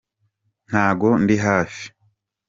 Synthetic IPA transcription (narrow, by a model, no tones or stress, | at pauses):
n̥haːɡo̞ndiɦaːfi̥